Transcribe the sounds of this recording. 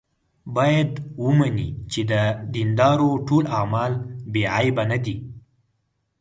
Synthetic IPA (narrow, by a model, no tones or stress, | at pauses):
bɑjad̪wəmanḭt͡ʃed̪əd̪ind̪ɑɾoʈolamɑlbeʕajbanad̪i